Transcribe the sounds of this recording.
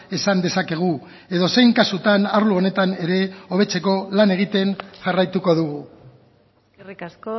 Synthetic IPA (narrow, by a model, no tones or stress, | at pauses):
esand̪e̞sake̞ɣ̞u | e̞ðo̞se̞jŋkasut̪anaɾluo̞ne̞t̪ane̞ɾe̞o̞β̞e̞t͡se̞ko̞lane̞ɣ̞it̪e̞nʝarajt̪uko̞ðuɣu